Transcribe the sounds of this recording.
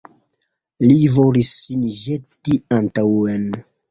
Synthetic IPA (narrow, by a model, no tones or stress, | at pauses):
livolisiniʒetiantawen